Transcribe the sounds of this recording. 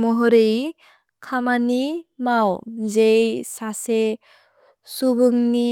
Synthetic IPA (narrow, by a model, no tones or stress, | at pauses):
mɔɦɔɾej | kʰamanimawzejsase | subɯŋni